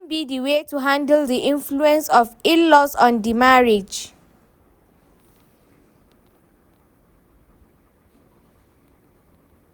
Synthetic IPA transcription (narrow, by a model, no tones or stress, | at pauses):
nbidiwetuɦãndəldiʔĩnfluɛ̃nsɔfinlɔsɔ̃ndimaɹid͡ʒ